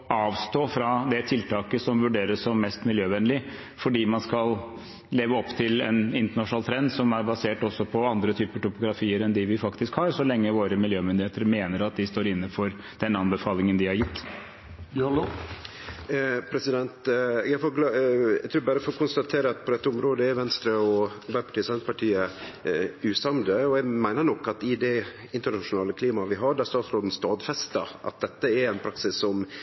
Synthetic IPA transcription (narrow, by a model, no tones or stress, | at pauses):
ɑːʋst̪oːfɾɑd̪ɛt̪ʰɪlt̪ʰɑːkəsɔmʋʉɖeːɾəsɔmːɛst̪mɪljøːʋɛnlɪ | fɔɖiːmɑnskɑl | leːʋəɔpːt̪ʰɪlɛ̰nɪnt̪əɳɑʂnɑːlt̪ʰɾɛnd̪sɔmæɾbɑseːʈɔsːɔpʰɔɑnd̪ɾət̪ʰyːpəʈʊpʊɡɾɑfiːəɾɛnd̪ɪʋɪfɑkt̪ɪskhɑɾsɔlɛŋːəʋoːɾəmɪljøːmʏnd̪ɪheːt̪əɾmeːnəɾɑt̪̚d̪ɪst̪oːɾɪnːəfɔɾ | d̪̥ɛnɑnbəfɑːlɪŋənd̪ɪhɑɾjɪt̪ː | pʰɾɛsɪd̪ɛnt̪ɛɡæfoːɡlɑɛ̰ɡ̚t̪ʰʉːɾbæɾəfɔɾɔkʊnst̪ɑt̪ʰeːɾəɑt̪̚pʰɔd̪ɛt̪ːəʊmɾoːd̪əɛɾʋɛnst̪ɾəɔbæɾpʰɑ̥ʈʰiːəsɛnt̪pɑʈʰiːə | ʉːsɑmd̪əɔɛɡmæɪnəɾɳɔkːɑt̪ɪd̪ɛ | ɪnt̪əɳɑʂʊnɑːləkʰliːmɑʋɪɦɑɖæst̪ɑːt̪sɾoːd̪n̩st̪ɑːd̪fɛst̪ɑ̰ʔɑ̰t̪̚d̪ɛt̪ːəɛɾɛnpʰɾɑksɪsːɔm